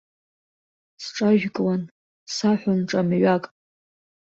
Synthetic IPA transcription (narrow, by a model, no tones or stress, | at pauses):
sʈ͡ʂʼaʒᶣkʼlan | saħʷanʈ͡ʂʼamɥakʼ